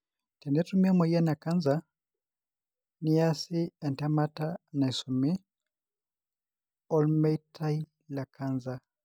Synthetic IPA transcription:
tɛ˨ndɛ˦tumi˦a˦mɔ˨ia˦na˨ka˦nza | ni˦ja˦si˦ɛ˨ntɛma˦ta˦na˨i˨su˨mi˦ | ɔ˦lmɛtʰa˦i | la˨kʰanza˦

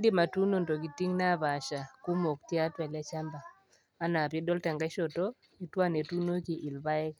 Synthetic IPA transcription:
ndɪ˦ma˨tu˦no˦˨ndo˨ɡi˨ti˦ŋna˦˨ba˨ʃa˨kʊ˦mo˨k̚tja˦twɛ˨la˦t͡ʃa˦mbaː˨˦ | na˨pjɛ˦dɔ˦ltɛ˨ŋɡa˦ʃo˨to˦ | i˦twa˦˨ne˨tu˦no˦ki˨ʔɪ˨lba˦ɪ˦k

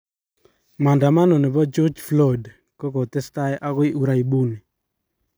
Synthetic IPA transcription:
ma˨nda˨ma˦no˨ne˨bɔ˦d͡ʒɔ˦d͡ʒflɔ˦d | kɔ˦kɔ˨t̪ɪ˦sta˦jɛ˦ʔa˦kɔ˦i˦u˦ɾa˦i˨bu˦ni˨

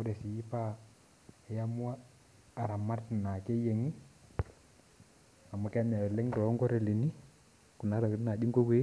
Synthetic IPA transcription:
ɔ˦ɾɛ˨si˨ji˦pa˦˨ | ja˦mu˦aː˦˨ | ɾa˨ma˦ɾna˨ke˦je˨ŋi˦ | a˨ma˦ka˦m˨a˨wɛ˨lɛ˦ŋɾɔ˨˦ŋɡɔ˦ɾɛ˦˨li˨ni˦ | ku˨na˨˦ɾa˨kna˨di˦ŋɡo˦kwe˦

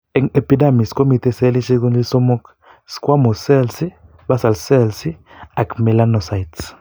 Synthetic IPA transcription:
ɛ˨ŋɛ˨pi˦da˦˨mi˨sko˦mi˨t̪ɛ˨se˦li˦ʃi˦ku˦nli˦sɔ˦mɔ˦k | skwa˦mɔ˨sɛ˦lsi˦ | ba˦sa˨lsɛ˦lsi˦a˨kmɛ˨la˦nɔ˨sa˨jts

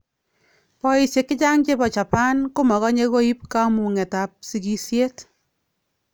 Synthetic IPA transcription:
pɔ˦i˨sje˨kːɪ˦t͡ʃa˦ŋt͡ʃe˦bɔ˨t͡ʃa˨pa˦nkʊ˦mɔ˨ɣɔ˦ɲe˦ko˦i˦p̚ka˦mu˨ŋɛ˨ta˨p̚si˧ki˦sje˦t

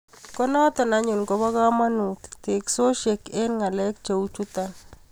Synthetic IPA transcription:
kɔ˦na˦t̪ɔ˨na˦ɲʊ˨lko˦βa˦ka˦ma˦nu˨tt̪e˨kso˦ʃe˨ke˦nŋa˨lɛ˦k̚t͡ʃe˨u˦t͡ʃu˦t̪an

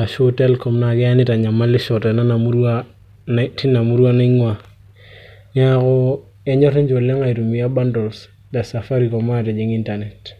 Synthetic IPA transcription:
a˨ʃote˦lkɔ˨mna˨kɛ˦a˦nɪ˦ta˨ɲa˨ma˦lɪ˦ʃɔ˨ta˨na˦na˨mu˦ɾwa | nti˦na˨mu˦ɾu˦wa˦na˦i˦ŋwa˨ | ni˦a˦ko˦ | ɛ˦ɲɔ˦ɾi˦ɲd͡ʒo˨le˦ŋa˨i˨ɾu˨mi˨a˦ba˦ndo˨ls | da˨sa˨fa˦ɾi˨kɔ˨ma˦te˨d͡ʒi˨ŋi˦nta˨ne˨t

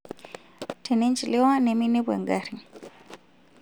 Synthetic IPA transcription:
tʰɛnɛ˦nt͡ʃi˨lɛ˦wa˦nɛminɛ˦bwa̰˨ŋɡaɾi

